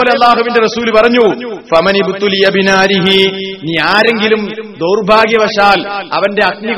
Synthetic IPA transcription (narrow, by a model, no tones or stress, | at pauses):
leɐlːaːɦuʋinde̞rɐsuːlupɐrɐɲːufɐmɐnibt̪ulijɐbinaːɾiɦiniːaːɾe̞ŋɡilumd̪owrbʱaːɡjɐʋɐʂaːlɐ̰ʋɐnde̞ɐk̚mi